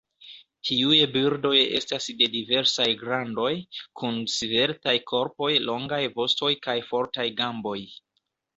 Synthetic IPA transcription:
tʰiujebiɾdo̞je̞̰stasde̞dive̞ɾsajɡɾando̞jkʰunsive̞ɾtajkʰo̞ɾpo̞jlo̞ŋɡajvo̞sto̞jkajfo̞ɾtajɡambo̞j

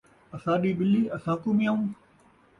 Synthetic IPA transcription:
əsãːɗiːɓɪliːɐsãːkuːmɪjaːũː

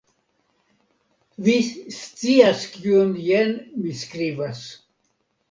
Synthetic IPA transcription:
vist͡siaskionjenmiskɾivas

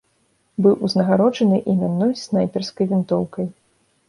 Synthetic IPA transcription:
bɨwʔuznɐɣaɾɔd͡ʐɐnɨʔimʲanːɔjsnajpʲɛrskɐjvʲint̪ɔwkɐj

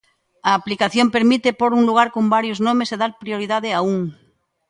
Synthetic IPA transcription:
aːplikaθjo̞mpe̞ɾmit̪epoɾuŋluɣ̞aɾkombaɾjoznomeseðalpɾio̞ɾiðað̞eauŋ

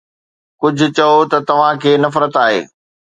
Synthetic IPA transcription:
kʊd͡ʑʱʊ̆t͡ɕɐot̪ɐt̪ɐʋ̤ãkʰeːnɐfɾət̪aːɦḛː

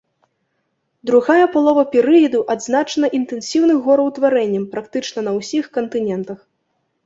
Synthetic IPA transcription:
d̪ɾuɣajɐpalˠɔvɐpʲɛɾɨjɐd̪uʔad̪znat͡ʂɐnɐʔint̪ɛnsʲiwnɨxɣːɔɾɐwt̪vaɾɛnʲːɐmpɾakt̪ɨt͡ʂnɐnɐwsʲixkɐnt̪ɨnʲɛnt̪ɐx

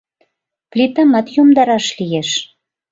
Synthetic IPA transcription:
plʲit̪əmɑt̪jomd̪ɑɾɑʃlijeʃ

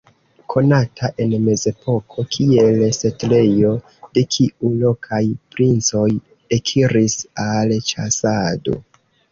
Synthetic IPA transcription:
kʰo̞natʰaʔe̞nme̞ze̞po̞kʰo̞kʰie̞lse̞tle̞jo̞ | d̥e̞kʰiʔulo̞kʰajpɾint͡so̞j | ekʰiɾisalt͡ʃasado̞̰

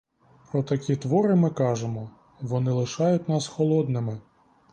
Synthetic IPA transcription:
pɾɔt̪ɐkʲit̪ʋɔɾɪmɪkɑʒemɔ | ʋɔnɪlˠɪʃɑjʊtʲnɑsxɔlˠɔd̪nɪmɪ

